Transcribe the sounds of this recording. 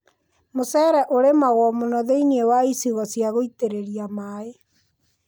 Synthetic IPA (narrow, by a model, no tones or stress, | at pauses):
mosɛɾɛʔoɾemaɣwɔmonɔðeiniewaisiɣɔsjaɣoiteɾeɾiamae